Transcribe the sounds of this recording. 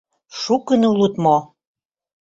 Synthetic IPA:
ʃukənulut̪mo

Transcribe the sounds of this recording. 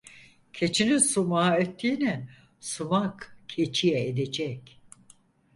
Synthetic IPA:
cʰe̞t͡ʃʰinisumaet̪ʰːiːnɛ | sumakkʰet͡ʃʰijɛed̪ed͡ʒɛc

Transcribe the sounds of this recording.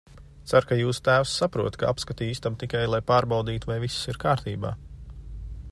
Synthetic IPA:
t̪saɾkajuːsu̥t̪æːwsːapɾuɔt̪kaapskat̪iiːsʲt̪amt̪ikajlˠajpaːɾbawd̪iːt̪uvajvissiɾkaːɾt̪iːba̰ː

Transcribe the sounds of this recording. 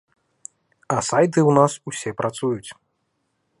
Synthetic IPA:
ɐsajt̪̬ɨwnasusʲɛpɾat̪sujut͡sʲ

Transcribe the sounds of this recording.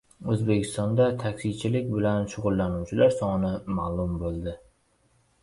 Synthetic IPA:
ɵzbekʲɪ̥st̪ɒnd̪at̪ʰakʲsɪt͡ʃʰɪlɪkʲbɪlanʃʊʁʊlˠːanuwt͡ʃʰɪlaɾsɒnɪmalʊmbolˠd̪ɪ

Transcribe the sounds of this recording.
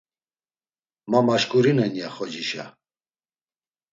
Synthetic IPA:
mamaʃkʼuɾinɛnjaχɔd͡ʒiʃa̰

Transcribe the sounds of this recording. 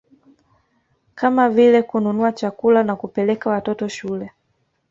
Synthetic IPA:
kamavilɛkununuat͡ʃakulanakupɛlɛkawatɔtɔʃulɛ

